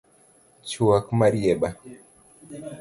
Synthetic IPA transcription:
t͡ʃuakmaɾiɛɓa

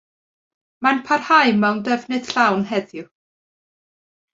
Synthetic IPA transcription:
manpʰarhajmɛwndəvnɨd̥ɬawnɦɛðjʊ

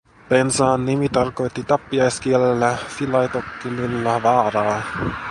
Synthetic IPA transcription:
pensɑːnːimit̪ɑrko̞jt̪ːit̪ɑpːiɑjsk̟ielelːæfilɑjt̪okːimylːæʋɑːɾɑː

